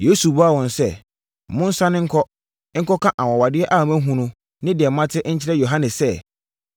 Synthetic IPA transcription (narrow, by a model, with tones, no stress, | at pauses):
je˦su˨bɔ˦a˦˨wɔ̃˨nsɛ˦˨ | mʊ̃˦n̩˦sã˦nɪ̃˦ŋ̩˦kʰɔ˦ | ŋ̩˦kɔ˦kʰã˦ʔa˨wɔ̃˨wa˨dɪ˦ɛ˦ʔa˦˨mæ̃˦ɦũ˦nʊ̃˦ | nɪ̃˦dɪ˨ɛ˨mã˦tʰɪ˦ɲ̩˦t͡ɕʰɪ˦ɾɛ˦jo˨ɦã˦nɪ̃˨ssɛ˦